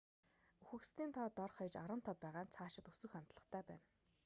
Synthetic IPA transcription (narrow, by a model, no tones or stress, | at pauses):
uxɘ̆kst̪ʰiːnt̪ʰɔːt̪ɔrχajt͡ɕaɾə̆n̥t̪ʰɔpːæːʁaːnt͡sʰaːʃɪ̆t̪ɵsɵ̆xam̥ʲt̪ɮə̆χt̪ʰæːpæ̰ːn